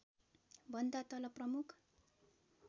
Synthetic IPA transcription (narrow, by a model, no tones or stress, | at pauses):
bʌnd̪at̪ʌlʌprʌmukʰ